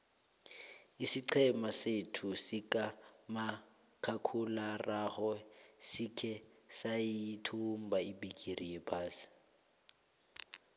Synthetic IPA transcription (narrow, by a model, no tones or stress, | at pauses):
isiǀʰɛmasetʰʊsɪkʼama | kʰakʰularaχɔsikʰɛ | saitʰum̩baibikʼiriebaːsɪ̥